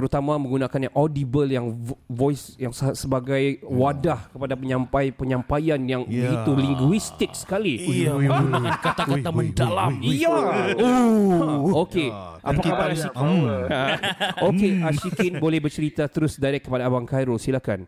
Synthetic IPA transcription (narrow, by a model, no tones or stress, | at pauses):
t̪əɾut̪amãmə̃ŋɡunãkanjaŋʔɔdibəljaŋvɔjsjaŋssəbaɡajwadahkəpadapəɲãmpapəɲãmpajanjaŋbəɡit̪uliŋɡuist̪ɪk̚sə̥kaliunakat̪akat̪aməndala̰mija | oke | ʔapaaba | okeaʃikɪnbolɛhbərt͡ʃəɾit̪at̪əɾʊsdaɾɛkːəpadaːbaŋkajɾosilahkan